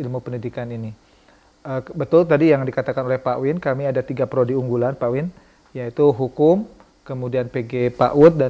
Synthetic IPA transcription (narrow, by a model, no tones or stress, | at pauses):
ilmupəndidikanini | əbət̪ʊlt̪adijaŋdikat̪akanolɛhpaʔwɪnkamiadat̪iɡapəɾodiuŋɡulanpawɪn | jait̪uɦukʊm | kəmudianpeɡepa̰ʔʊt̪̚da